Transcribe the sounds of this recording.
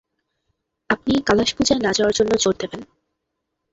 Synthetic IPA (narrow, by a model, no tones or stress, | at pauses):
ap̚nikalaʃbud͡ʑaenad͡ʑaaɾd͡ʑonːod͡ʑoɾd̪eben